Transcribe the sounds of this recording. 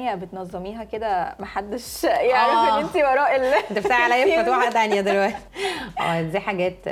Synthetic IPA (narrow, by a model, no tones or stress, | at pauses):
jæbet̪nɑzˤːɑmiːɦæked̪æmæħad̪ːeʃjeʕɾˤɑfʔeːʔent̪iwɑɾˤɑːʔelːt̪eft̪aʕʕalæjefɑt̪waʕad̪ænjæd̪elwæʔ̪t̪i̥ʔæ̰ːezæħaɡæːt̪